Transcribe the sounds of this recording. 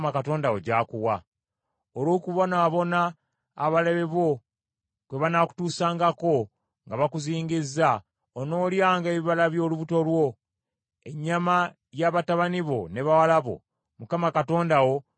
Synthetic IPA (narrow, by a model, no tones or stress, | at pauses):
makato̞ːndawo̰ɟaːkuwa | olwo̞ːkuβo̞naːβo̞naː | βaleβeβo̞ | kwe̞βanaku̥tuːsaːŋɡako̞ | ŋɡaβakuziːŋɡizːa | ono̞ːljaːŋɡe̞ːβiβalaβjo̞ːluβuto̞lwo̞ | e̞ɲːama | jaβataβaniβo̞ne̞βawalaβo̞̰ | mukamakato̞ːndawo̞